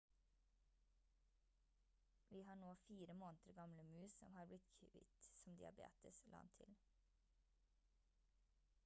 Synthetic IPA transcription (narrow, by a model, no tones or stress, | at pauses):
ʋiːhɑːɳoːfiːɾəmoːnt̪əɾɡɑmləmʉːsɔmhɑːblɪt̪kʰʋɪ̰t̪sɔmd̪ɪɑbḛːt̪əslʔɑ̰nt̪ʰɪ̰l